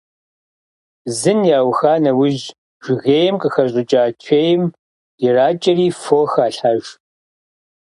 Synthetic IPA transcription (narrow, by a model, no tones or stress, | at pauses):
zɨnjaːwxaːnɐwʊʒ | ʒ̥ɪɣeːjɛmqʼəxɐɕʼɪt͡ʃʼaːtʰeːjɪm | ɪraːt͡ʃʼɐriːfoːxaːɬaʒ